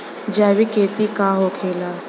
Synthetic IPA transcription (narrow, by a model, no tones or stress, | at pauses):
d͡ʒaːwikeːt̪ikaɦoːkʰeːlaː